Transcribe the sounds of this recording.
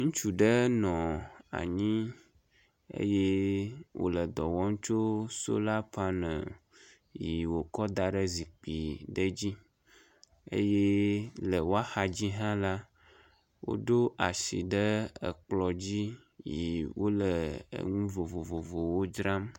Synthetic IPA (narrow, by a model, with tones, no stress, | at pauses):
ŋũ˦t͡ʃu˨ɖə˦nɔ̃˨a̰˨ɲĩ˦ | ḛ˦je˦wʔo̰˦lə˨d̪ɔ˨wɔ˦ŋ̩˦t͡ʃo˦so̰˦la˦pa˦nə̰̃˨ | ji˨wo˨kɔ˦d̪a˨ɖə˦zi˨k͡pi˨ɖə˦d͡ʑi˦ | ḛ˦je˦lə˨wo˦a˦xa˨d͡ʑi˦ɦã˦la˦ | wo̰˦ɖo˦ʔa˨ʃḭ˨ɖə˦ə̰˨k͡plɔ˨d͡ʑi˦ | ji˨wo˦lə̰˨ŋũ˦vo˨vo˨vo˨vo˨wo˦d͡ʒɾã˦m